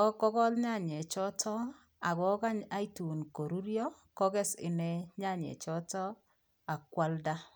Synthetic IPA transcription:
ɔ˦kɔ˦kɔ˦lɲa˦˨ɲɛ˨t͡ʃɔ˦tʰɔ˦ | a˨ɡɔ˨˦ka˦ɲa˦i˦tu˨nko˨ɾu˦ɾjɔ˦ | kɔ˦ɡɛ˦sɪ̰˨nɛ˦ɲa˦˨ɲɛ̰˨t͡ʃɔ˦tɔ˦ | a˨kwa˦lda˦

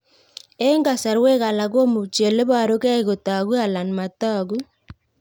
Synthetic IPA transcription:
e˦ŋɡa˨sa˨ɾwe˦ɣa˨la˨ɣo˦mu˨t͡ʃe˨le˦βa˨ɾo˦kɛ˦i˦ɣo˨ta˨ɣu˦a˨la˨nma˨ta˦ɣu˦

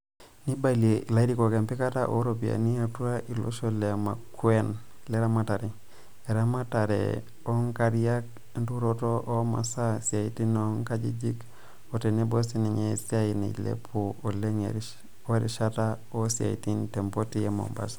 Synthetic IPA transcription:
ni˦baliei˨la˦i˦di˨ko˨ke˨mpi˦ka˦taʔo̰˦ɾopia̰˨ni˦atu˦ɾa˦ʔi˨lo̰˦ʃo˦le˨ma˨kuen | leɾa˦mata˨ɾe˨ | e˨ɾamata˨ɾḛ | o˦ŋkaɾija˦k̚ | ntu˦ɾoto˦ʔo˦ma̰˨sa˦si˨a˨iti˦no˦ŋkad͡ʒḭ˦d͡ʒi˦k | otenebo˦si˦ni˨ɲesi˦ainḭ˨lḛpʰuo˨le˦ŋḛɾ | o˦e˦ɾi˨ʃa˦ta | o˦sia̰˨ḭ˨ti˦nte˨mpo˦ti˦jemo̰˨mba̰s

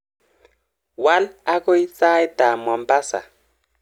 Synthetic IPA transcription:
wa˦la˦ko˦i˦t͡sa˦jda˨mwa˨mpa˦sa̰˨

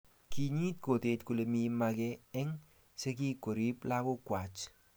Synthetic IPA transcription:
kʰi˧ɲi˦t̚ko˨te˧tku˨le˧mi˧ma˧kɛ˦ɛ˦ŋ | se˦ki˦ko˨ɾi˦pla˦ko˦kwa˨t͡ʃ

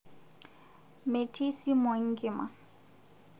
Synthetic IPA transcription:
me˨tʰi˦si˦mɔ˨ŋ̩˦kɪ˨ma̰˨

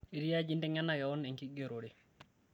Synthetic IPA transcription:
i˨ɾi˦jad͡ʒi˦ndɛŋa˦naja˨wɔnɛ˨ŋki˦ɡeɾoɾɛ

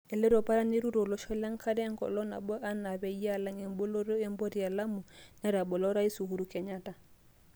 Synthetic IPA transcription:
e˨le˦ɾo˨pa˦ɾa˦ni˦ɾu˦ɾo˨lɔ˦ʃɔ˦la˦ŋ˦kʰa˦dɛ˦ŋkɔ̰˨lɔ˦na̰˨bɔ˦ʔa˦na˨bɛ˨i˦a˦la˦ŋe˨mbo˦lo˦ɾo˦e˦mbo˦ɾi˨a˨la˦mu˨nɛ˦ɾa˨bɔ˨lɔ˦ɾa˦i˦su˨hu˦ɾu˨kɛ˨ɲa˦ta˨

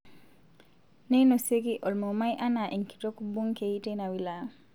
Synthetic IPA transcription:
ne˦no˨se˦ki˦ʔo˨lmo˨ma˦jʔa˦na˨ʔi˨ŋki̥˨to˦kbo˦ŋke˨i˦te˦na˨wi˦˨la˨

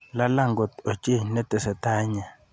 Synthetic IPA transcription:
la˦la˦˨ŋɡɔ˨tɔ˨t͡ʃʼe˦˨nɛ˦tʼɛ˨sɛ˨ta˦ɲa˨

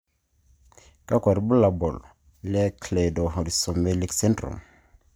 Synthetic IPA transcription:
ka˦kwa˨ɾi˨bu˦la˨bɔ˨l | lɛ˦kle˨do˨ɾi˨so˨me˦li˦kse˦ntɾṵ˨m

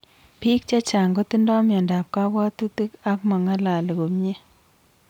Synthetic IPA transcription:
piː˦k̚t͡ʃa˦t͡ʃa˨ŋɡo˦ti˦ndɔ˦mja˨nda˨p̚ka˦bwa˦tu˦ti˦ka˦k̚mɔ˨ŋa˦la˨le˨ko˨mɲe˦

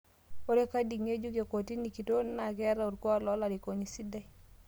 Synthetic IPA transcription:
o˦ɾe˦ka˦di˨ŋe˦d͡ʒu˦ke˨ko˨ti˦ni˨ki˨to˦na˨kɛ˦ɾa˦u˨tkwɔ˦lɔ˨˦la˨ɾi˨ko˨ɲi˨si˦dɛ˦

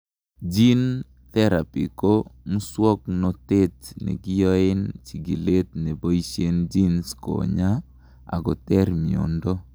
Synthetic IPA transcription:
d͡ʒi˦n | t̪ɛ˦ɾa˨pi˨ko˦mu˦swɔ˦knɔ˨te˦tnḛ˨ɡɪ˦jɔ˦ɪ˦nt͡ʃi˨ɡi˨le˦t̚ne˨bo˦i˦ʃje˦nd͡ʒi˦nsko̰˨ɲa˦ | a̰˨ɡɔ˨tɛ˦ɾmi˨o̰˨ndo˦

